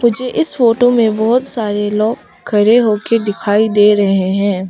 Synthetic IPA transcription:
mʊd͡ʒʱeʔɪsfoːʈomẽbɔɦʊt̪saːɾeloːɡ | kʰɐɾeɦoːked̪ɪkʰaːid̪eːɾɐɦeɦɛ̃ː

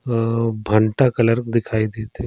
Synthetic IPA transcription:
bʱɐɳʈakɐləɾkd̪ɪkʰaːid̪eːt̪e

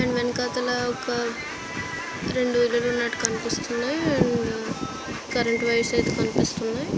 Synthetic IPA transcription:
ɐɳɖʋenkaːt̪ɐlaɔkɐ | ɾe̞ɳɖuilɐluːnaʈkɐnipist̪unːaːjɐɳ | kɐɾeɳʈʋɐjɐsɐjt̪eːkɐnipist̪unːaːj

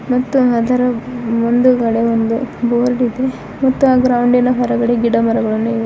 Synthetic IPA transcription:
mɐt̪ːuɦɐd̪ɐɾɐond̪uɡɐɽeond̪uboːɾɖid̪e | mɐt̪ːuaːɡɾɐwuɳɖinɐɦɐɾɐɡɐɽeɡiɽɐmɐɾɐɡɐɭɐnːuid̪e

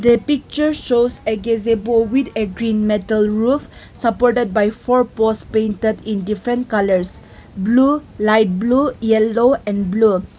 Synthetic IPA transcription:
d̪əpik̚t͡ʃəɾʃoseɡezebowit̪eɡɾĩnmetəlɹuf | sapɔɾʈed̚bajfɔɾpɔspẽjntedĩndifɾɛ̃ntkaləɾs | blulajt̚blujɛloɛ̃nblu

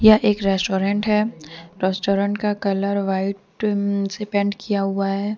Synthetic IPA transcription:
jɐʔeːkɾɛsʈoːɾɛ̃ɳʈɦɛːɾɛsʈoːɾə̃ɳʈkakɐləɾʋaːɪʈsepɛ̃ːɳɖkʰijaɦʊaɦɛː

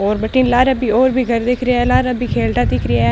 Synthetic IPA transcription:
oːɾbəʈːiːnlaːɾəbiːoːɾbʱiːɡəɾd̪ɪkʰɾɪjaːɛːlaːɾəbiːkʰeːlʈaːd̪ɪkʰɾɪjaː

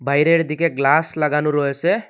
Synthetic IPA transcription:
bʱajɾeɾd̪ʱikeɡlaslaɡanuɾɔɦese

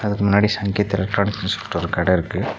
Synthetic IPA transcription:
ɐðɯkːɯmʊnːaːɽisɐŋɡɪjɐt̪ːɪɛlɛk̚ʈɾoːnɪkːɐnsɐ̥pʈːɔɾɯkɐɽɐɪɾɯkːɯ

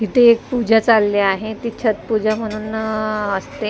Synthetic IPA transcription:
ɦit̪eːk̚pud͡ʑʱat͡salːeaɦet̪it͡ɕʰat̪pud͡ʑʱam̤əɽ̃uːnəst̪e

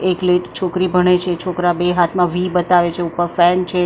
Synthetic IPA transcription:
ekleʈt͡ʃʰokɾibʱəɽ̃et͡ʃʰet͡ʃʰokɾabeɦat̪ʰmãʋibət̪aʋet͡ʃʰeupːəɾfɛnt͡ʃʰe

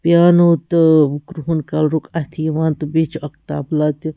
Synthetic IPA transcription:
pjaːnot̪kɾuɦunkalɾukʰat̪ʰiʋant̪bit͡ʃɐkt̪a̰ːblat̪i

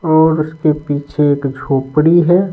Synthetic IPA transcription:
ɔːɾʊskepiːt͡ʃʰeeːkd͡ʒʱoːpɽiɦɛː

